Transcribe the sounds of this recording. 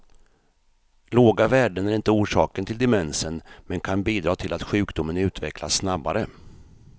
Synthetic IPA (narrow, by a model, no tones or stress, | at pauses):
loːɡavæːɖənæɾɪnt̪əuːʂɑ̰ːkənt̪ʰɪld̪ɛmɛnsənmɛnkʰanbiːd̪ɾɑːt̪ʰɪlat̪ɧʉ̟ːkd̪ʊmːənʉ̟ːt̪vɛkʰla̰sːnaba̰ɾə